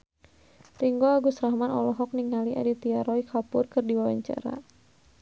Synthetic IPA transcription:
riŋɡɔaɡusɾahmanɔlɔɦɔk̚niŋaliʔa̰dit̪iaɾɔikʰapʊrkɨrdiwawaɲt͡ʃa̰ɾa̰

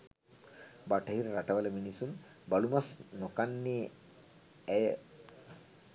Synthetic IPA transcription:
baʈʰaɦiɾaɾaʈaʋaleminisun | bɐlumasnokanːi

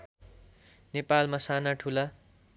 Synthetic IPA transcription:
nepalmasanaʈʰula

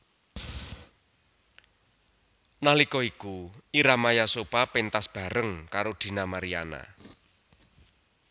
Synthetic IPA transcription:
nalikɔikuiɾamajasopapent̪asb̥a̤ɾəŋkaɾod̪̥i̤namaɾija̰na̰

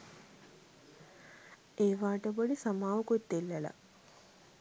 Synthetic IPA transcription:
eːʋaːʈəboɖisamaːʋukut̪ːelːela̰

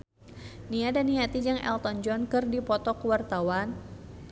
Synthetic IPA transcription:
niadaniat̪id͡ʒaŋʔɛ̰lt̪ɔnd͡ʒɔnkɨrdipɔt̪ɔkəwart̪awan

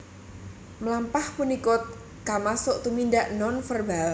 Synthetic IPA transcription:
məlampahpunikʊt̪̚ | kamasʊʔt̪umindaʔnɔnfərbal

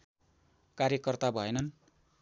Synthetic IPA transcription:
kaɾjʌkʌrt̪abʱʌenʌn

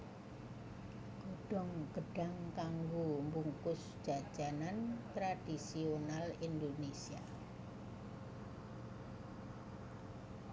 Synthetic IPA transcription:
ɡ̥oɖ̥ɔ̤ŋɡ̥əɖ̥a̤ŋkaŋɡombuŋkʊsd̥ʒ̥a̤d̥ʒ̥anant̪ɾad̥isionalind̪onesia

